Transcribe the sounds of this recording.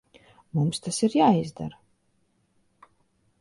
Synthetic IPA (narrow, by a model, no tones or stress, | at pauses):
mumst̪asiɾjaːizd̪a̰ɾ